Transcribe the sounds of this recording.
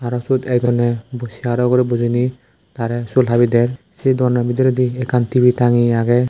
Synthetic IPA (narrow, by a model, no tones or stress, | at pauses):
aɾɔsutɛjdɔnɛbɔsiaɾɔɡɔɾibuzini | t̪aɾɛsulɦabidɛɾ | sid̪ɔɾnabidiɾɔdiɛkantibitaŋiaɡɛ